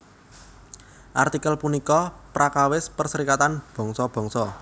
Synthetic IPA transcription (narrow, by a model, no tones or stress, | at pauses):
ʔart̪ikəlpunikɔpɾakawɪspərsəɾikat̪anb̥ɔ̤ŋsɔb̥ɔ̤ŋsɔ